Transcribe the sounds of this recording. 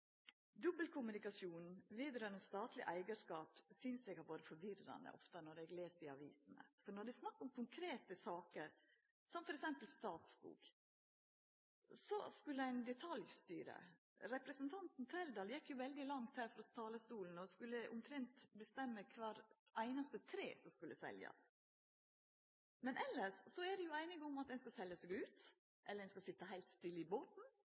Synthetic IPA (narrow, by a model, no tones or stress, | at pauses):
d̪ʉbəlkʰʊmʉnɪkɑsjuːnʋiːd̪ɾɑnɔst̪ɑːt̪ʰlɪ̰ʔæɪɡəʂkɑːpsʏnsɛɡhɑɾʋoːɾəfɔɾʋɪrɑ̰nd̪ə̰ʔɔ̰ft̪ənɔɾɛɡleːsəɾɪɑʋḭːsnə̰fɔɾɳɔɖæsnɑkːʊmkʰʊŋkʰɾeːt̪əsɑːkəɾ | sɔmfɔɾɛksɛmpəlst̪ɑːt̪sbṵːk | sɔskʉlːəæɪnd̪ɛt̪ʰɑljst̪yːɾə̰ | ɾɛpɾəsnt̪ʰɑnt̪n̩t̪ʰɾɛld̪ɑːljɛkːjʊʋɛld̪ɪlɑŋt̪hæːɾfɾɔst̪ʰɑːləst̪uːln̩ɔskʉlːəʔʊmt̪ʰɾɛnt̪bəst̪ɛmːəkʰʋɑːɾ | ʔæɪnɑst̪ət̪ʰɾeːsɔmskʉlːəsɛ̰ljɑ̰s | mɛnʔɛlːəʂsɔæd̪ɛjʊæɪnɪɡʊmɑt̪ɛnskɑsɛljəsɛɡʉːt̪ | ʔɛlːɾɛnskɑlsɪt̪ːəɦæɪlt̪st̪ɪlːɪboːt̪n̩